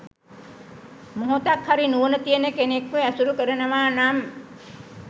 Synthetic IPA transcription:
moɦot̪akhaɾinuənət̪ijənəkenekʋeæsuɾukəɾənəʋaːnam

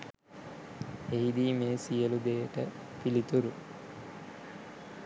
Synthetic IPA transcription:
eɦid̪iːmeːsijəlud̪eːəʈə | pilit̪uɾu

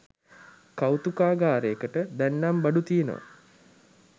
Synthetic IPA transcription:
kawt̪ukaːɡaːɾeəkəʈəd̪ænːambaɖut̪ijenə̰ʋ̰

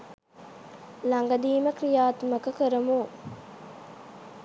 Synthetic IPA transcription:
laŋɡɐd̪iːmɐkɾijaːt̪mɐkɐkəɾɐmu

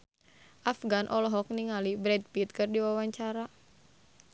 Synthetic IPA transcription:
ʔafɡanʔɔlɔɦɔk̚niŋalibɾɛd̚pit̪̚kɨrdiwawaɲt͡ʃaɾa

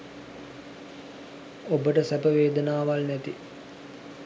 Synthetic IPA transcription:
obəʈəsæpəʋeːd̪ənaːʋalnæt̪i

